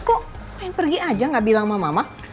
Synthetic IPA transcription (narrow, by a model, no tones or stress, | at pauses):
komaɪnpərɡiad͡ʒaŋɡaʔbilaŋmamama